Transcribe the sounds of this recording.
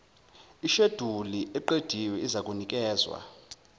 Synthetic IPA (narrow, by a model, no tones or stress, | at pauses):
iʃed̥ʱuliʔɛǃed̥ʱiwɛizakʼunik̬ʼɛːzwa̰